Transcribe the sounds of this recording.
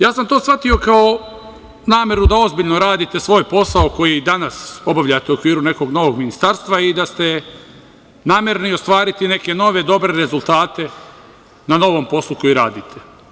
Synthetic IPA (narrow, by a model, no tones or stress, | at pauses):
jaːsamt̪o̞ːsʋat̪io̞kao | naːmje̞ɾud̪ao̞zbiʎno̞ɾaːd̪it̪e̞sʋo̞ːjpo̞saoko̞jid̪anaso̞baʋʎat̪euokʋiːɾune̞ko̞ɡno̞ʋo̞ɡminist̪aɾst̪ʋaid̪ast̪e̞ | naːmje̞ɾenio̞st̪ʋaːɾit̪ine̞ke̞no̞ʋe̞d̪o̞bɾe̞ɾezulˠt̪aːt̪e̞ | nano̞ʋo̞ːmpo̞slˠuko̞jiɾa̰ːd̪it̪ʰe̞